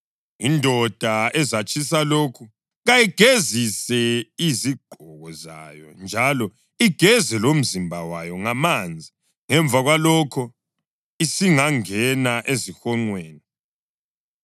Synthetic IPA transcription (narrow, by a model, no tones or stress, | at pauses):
indʱɔd̥ʱaɛzat͡ʃʼʰis̬aloːkʰu | ɣajiɡ̥ʱezisɛiziɡ͡ǃʱɔɣɔza̰a̰jɔ̰nd͡ʒʱalɔ | iɡ̥ʱɛzɛlom̩zimbʱawajɔŋamand͡zʱi | ŋɛɱb̪vʱaɣwalɔkʰɔ | isiŋaŋɛnaʔezixɔŋ͡ǀweːni